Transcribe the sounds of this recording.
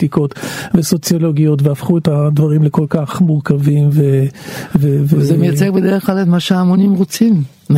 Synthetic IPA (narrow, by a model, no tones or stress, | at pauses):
tiko̞tveso̞t͡sjolo̞ɡijo̞tveafχuetad̪vaʁimleko̞lkaχmuʁkavimvevevezemejat͡seʁbed̪eʁeχklaletmaʃeamonimʁot͡sim